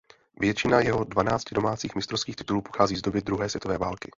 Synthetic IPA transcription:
vjɛt͡ʃɪnajɛɦo̞dvanaːt͡scɪdo̞maːt͡siːxmɪst̪ɾofskiːxt̪ɪt̪uluːpoxaːziːzdo̞bɪd̪ɾuɦɛːsvjɛt̪ovɛːvaːlkɪ

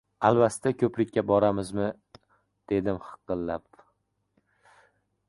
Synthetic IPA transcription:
albast̪ʰakʲʰɵpɾɪkʲːabɒɾamɪzmɪ | d̪̥e̞d̪ɪmχɨ̥q̪ɨlːap̚

